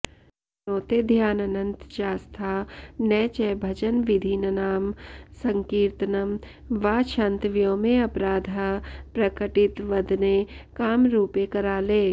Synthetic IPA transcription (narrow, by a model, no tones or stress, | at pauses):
oːt̪ed̪ʱjaːnɐnə̃nt̪ʃaːst̪ʰaːnɛːt͡ʃɛːbʱɐd͡ʒənʋɪd̪ʱiːnənaːmsɐ̃ŋkiːɾt̪nɐm | ʋaːʃãːnt̪ʋjõːmẽɐpɾaːd̪ʱapɾɐkəʈɪt̪ʋɐd̪ʱnekaːmɾuːpekɐɾaːleː